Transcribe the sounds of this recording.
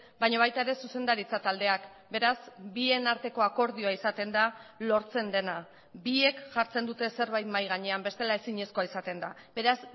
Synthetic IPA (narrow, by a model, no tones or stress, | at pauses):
bajɲaβajt̪ae̞ɾe̞suse̞nd̪aɾit͡sat̪ald̪e̞ak | be̞ɾazbie̞naɾt̪e̞ko̞ako̞ɾð̞io̞aisat̪e̞nd̪alo̞ɾt͡se̞nd̪e̞na | bie̞kʝaɾt͡se̞nd̪ut̪e̞se̞ɾβajt̪majɣaɲe̞ambe̞st̪e̞lae̞siɲesko̞aisat̪e̞nd̪abe̞ɾaz